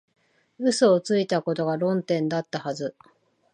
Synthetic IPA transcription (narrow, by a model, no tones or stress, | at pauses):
ɯ̟soːt͡sɨit̪ako̞t̪o̞ɡaɾõ̞nt̪ẽ̞nd̪at̪ːahazɨ